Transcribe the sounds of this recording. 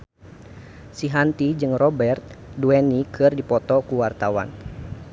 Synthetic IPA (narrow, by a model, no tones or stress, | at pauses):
siɦant̪id͡ʒɨŋrɔbɛrt̪̚duɛnikʰɨrdipɔt̪ɔkuwart̪awa̰n